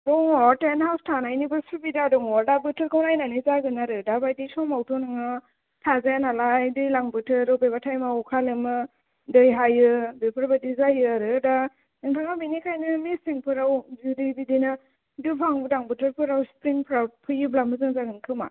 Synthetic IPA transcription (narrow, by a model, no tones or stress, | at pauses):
bɔŋɔtenhawstʰanajnibɯsuɾbidadɔŋɔɾdabɯtʰɯɾkʰɯwnajnanizaɡɯnaɾɯdabajdisɔmawtʰɔnɯŋɯ | tʰazajanalajdɯjlaŋbɯtʰɯɾɯbebatʰajmaukʰalɯmɯ | dɯjɦajɯbepʰɯɾbadizajɯaɾɯda | ɯŋtʰaŋabinikʰajnɯmiseŋpʰɯɾawzidibidina | dupʰaŋbɯdaŋbɯtʰɯɾpʰɯɾawspɾiŋpʰɾapʰɯjɯblamɯzɯŋzaɡɯnkʰɯma̰